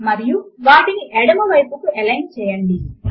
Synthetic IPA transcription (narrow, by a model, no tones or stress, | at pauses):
mɐɾijuʋaːʈiniʔɛɽɐmɐʋɐjpukuɛlɐjnt͡ʃɛːjɐɳɖi